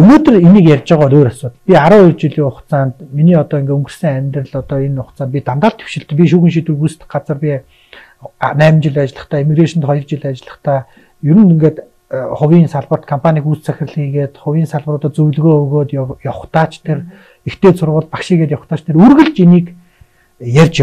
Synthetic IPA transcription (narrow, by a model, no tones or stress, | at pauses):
ɵnoːt̪ɵ̆reniːkjærʲt͡ɕɪ̆ːʁɔːt̪oːɾasʊːt̪pʲiaɾʊːrt͡ɕiɮiːŋʊχtt͡saːnt̪miniːɔt̪ɔːiŋɡeːɵŋɡɵ̆rsɘ̆ŋæmʲt̪rɘ̆ɮɔt̪ɔenʊχt͡sanpit̪amt̪aːɬt̪ʰe̥wʃɪ̆ɬt̪ɘ̆pʲiʃ̬uːxɘ̆nʃ̬it̪wɘ̆rpust̪̆k̚ɢat͡sə̆rpʲi | næːmt͡ɕɪ̆ɮʲat͡ɕɪ̆ɮə̆χt̪ʰæːimiɣreʃɔ̆nt̪χɔjɞ̆rt͡ɕɪɮat͡ɕɪɮə̆χt̪ʰæː | juɾɘ̆nɵŋɡeːt̪ | χʊwʲiːnsaɮpə̆r̥t̪kʰɔmpʰanʲiːkut͡st͡sʰæxʲɪ̆rɮxiːɣeːt̪χʊwʲiːnsaɮpə̆rɔt̪ɔt͡sɵwɮɣoːɣoːt̪jɔχt̪aːt͡ɕʰt̪ʰer | ext̪eːsʊrʁʊːɮpakʃiːɣeːt̪jɔχt̪aːt͡ɕʰt̪ʰeɾurɣɘ̆ɮt͡ɕiniːk | jærʲt͡ɕ